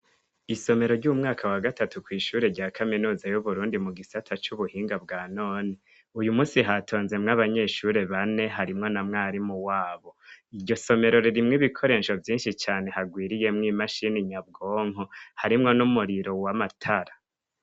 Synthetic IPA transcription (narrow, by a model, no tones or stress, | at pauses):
iso̞me̞ɾo̞ɾɟumŋaːkʰawaɡatatukwiːʃuːɾe̞ɾɟaːkʰaminuːzajuβuɾuːndimuɡisatʰat͡ʃuβuhiːŋɡabɡaːno̞ːni | ujumuːsiɦatʰo̞ːnze̞mŋaβaɲe̞ːʃuɾe̞βane̞ɦaɾimŋo̞namŋaːɾimuwaːβo̞iɾɟo̞so̞me̞ɾo̞ɾiɾimŋiβikʰo̞ɾe̞ːʃovjiːnʃit͡ʃaːne̞haɡwiːɾije̞mŋiːmaʃiniɲab̚ɡoːŋ̥ɦohaɾimŋo̞numuɾiɾo̞wamatʰaɾa